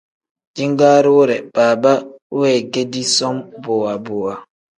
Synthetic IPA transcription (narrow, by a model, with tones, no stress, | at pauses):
d͡ʒi˦ŋɡaː˦ɾi˦wo˦ɾɛ˨b̥aː˨ba˦wɛː˦˨ɡe˦di˦sɔ˦mbo˨wa˨boː˨wa˨